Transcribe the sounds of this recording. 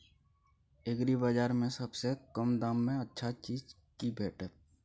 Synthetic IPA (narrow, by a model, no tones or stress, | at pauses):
ɪɡɾibad͡ʒaːɾmẽsɐbsekəmd̪ãːmːẽɐtːʃʰat͡ʃiːd͡ʒ | kibʱeːʈə